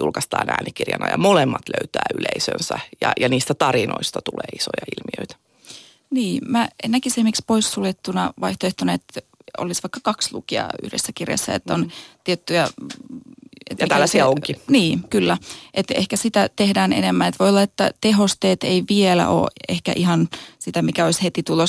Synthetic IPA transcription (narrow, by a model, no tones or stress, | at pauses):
julkɑst̪ɑːnæ̰ːnikːirjɑnɑjɑmolemːɑt̪lø̰yt̪æːyleisø̰nsæjɑjɑniːst̪æt̪ɑɾino̰ist̪ɑt̪uleːisojɑilmiøit̪æ̥ | niːmæenːækisemːikspoisːuljet̪ːunɑʋɑiht̪oeht̪oneet̪o̰lisʋɑikːɑkɑkslṵkiɑ̰y̰hdḛsːækirjɑ̰sːæ̰ḛt̪ːont̪iet̪ːyjæ | ḛt̪itælːæsiæoŋkkiniːkylːæʔet̪ḛhkæsit̪æt̪ehdæːnḛnemːænet̪ʋojolːɑet̪ːæt̪eɦost̪eːt̪eiʋielæ̰ʔo̰ːehkæ̰ʔihɑnsit̪æmikæoishet̪it̪ulo